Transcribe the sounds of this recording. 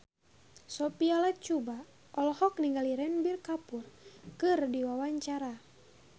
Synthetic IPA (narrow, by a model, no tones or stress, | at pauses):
sɔpialat͡ʃuba | ʔɔlhɔk̚niŋɡaliɾɛnbirkapurkɨrdiwawaɲt͡ʃaɾa